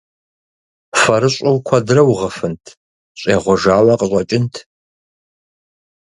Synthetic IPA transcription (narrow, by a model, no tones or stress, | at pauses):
fɐɾɨɕʼʊwkʷʰɐdɨrɐwʁɐfɨntʰ | ɕʼeːʁʷɔʒaːwɐqəɕʷʼɐt͡ʃʼɪntʰ